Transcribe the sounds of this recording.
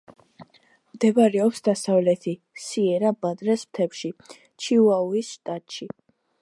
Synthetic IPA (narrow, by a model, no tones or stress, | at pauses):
md̪ɛbaɾɛɔpsd̪asavlɛt̪ʰi | siɛɾabad̪ɾɛsmt̪ʰɛpʃi | t͡ʃʰiuauisʃt̪ʼat̪ʼʃi